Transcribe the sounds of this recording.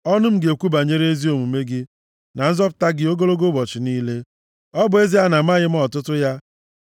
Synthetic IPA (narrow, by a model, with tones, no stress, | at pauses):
ɔ˦nʊ˦m̩˦ɡe˨kʷu˦ba˨ɲe˦ɾe˦e˦zi˦o˨mu˨me˦ɡɪ˦ | na˨n̩˦zɔ˦p̬ʊ̥˨ta˦ɡɪ˨˦o˦ɡo˦lo˦ɡo˦bɔ˨t͡ʃɪ˨niː˦le˦ | ɔ˦bʊ˨e˦zi˦a˦na˨m̩˦a˦ɣɪ˦m̩˦ɔ˨tʊ˦tʊ˦ja˦